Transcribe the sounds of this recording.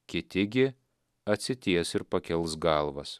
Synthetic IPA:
kʲɪt̪ʲɪɡʲɪ | ɐt̪ʲsʲɪt̪ʲiɛsɪɾpɐkʲɛlˠsɡɑˑlˠʋɐs

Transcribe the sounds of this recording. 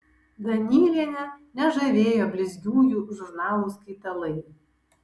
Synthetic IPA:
d̪ɐnʲiːɾʲiɛnʲɛnʲɛʒɐʋʲeːjobʲlʲɪzʲɡʲuːjuːʒʊɾnɑːlˠuːskɐɪt̪ɐlˠɐɪ

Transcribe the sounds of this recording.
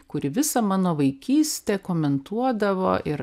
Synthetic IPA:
kʊɾʲɪʋʲɪsɐmɑːnoːʋɐɪkʲiːsʲt̪ʲɛkoːmʲɛnt̪uɔd̪ɐʋo̰ːʔɪɾ

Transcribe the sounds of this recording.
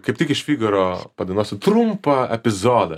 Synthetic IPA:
kɐɪp̚t̪ʲɪkɪʃʲfʲiːɡɐɾoːpɐd̪ɐɪnoːsʲɪt̪ɾʊmpɐɛpʲɪzoːd̪ɐ̰

